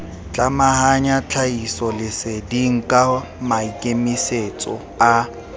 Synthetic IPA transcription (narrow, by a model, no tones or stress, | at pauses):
t͡ɬʼamahaɲat͡ɬʰaisɔlɪsediŋ̩kʼa | maikʼemiset͡sʼɔ̰ | a